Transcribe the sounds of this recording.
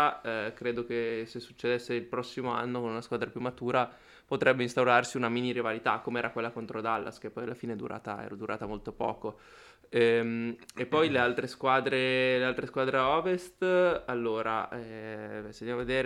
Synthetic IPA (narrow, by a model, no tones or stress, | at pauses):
kɾeːd̪ok̟esesːut͡ʃːed̪esːeilpɾɔsːimoa̰nːokonunaskwaːd̪ɾapjumːat̪uːɾa | pot̪ɾɛbːeinst̪awɾarsiunaminiɾivalit̪a̰kːomeɛːɾakwelːakont̪ɾod̪alːʔa̰sk̟epːɔjalːafiːneɛd̪uɾʔa̰ːt̪aɛ̰ːɾod̪uɾʔa̰ːt̪amolt̪opɔ̰ːko | ɛmepːɔjlealt̪ɾeskwaːd̪ɾelealt̪ɾeskwaːd̪ɾeɔːvest̪alːoːɾa̰ɛvɛsed̪aved̪eːɾ